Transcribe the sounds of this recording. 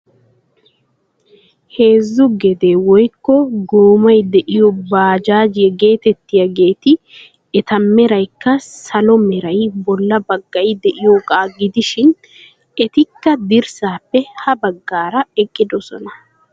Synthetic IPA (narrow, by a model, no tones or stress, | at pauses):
he̞ːzːʊɡɛd̪eːwɔjkːɔɡoːmɐjd̪ɛʔɪjɔbaːd͡ʒaːd͡ʒɪjɛɡe̞ːt̪ɛt̪ːɪjɐɡe̞ːt̪ɪ | ɛt̪ɐmːɛɾɐjkːɐsɐlɔmɛɾɐjbɔlːɐbɐɡːɐjd̪ɛʔɪjɔkʼaːɡɪd̪ɪʃɪn | ɛt̪ɪkːɐd̪ɪɾsaːpːɛhɐbɐɡːaːɾɐɛkʼːɪd̪ɔsɔ̰nɐ